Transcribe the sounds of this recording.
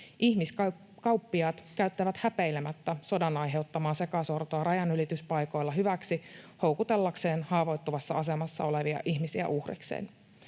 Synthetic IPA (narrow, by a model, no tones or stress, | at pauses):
ihmiskɑ | kɑwpːiɑːt̪kæyt̪ːæʋæt̪hæpejlemæt̪ːæso̞dɑnɑjɦe̞ut̪ːɑmɑːnse̞kɑsort̪oɑrɑjɑnylit̪yspɑjko̞jlːɑɦyʋæksiho̞wkut̪e̞lːɑkse̞ːnhɑːʋo̞jt̪ːuʋɑsːɑɑse̞mɑsːɑ̰o̞leʋiɑ̰ʔiçmisiæ̰ʔuhrḭksḛːn